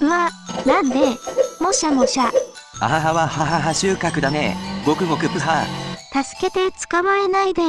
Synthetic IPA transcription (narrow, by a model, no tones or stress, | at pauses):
ɯβanãnd̪emoɕamoɕa | a̰ɦaɦaβahaɦaɦaɕɨːkakɯ̟d̪ameɡo̞kɯ̟ɡo̞kɯ̟pɯ̟ɦat̪asɨ̥ke̞t̪e̞t͡sɨ̥kamae̞naid̪e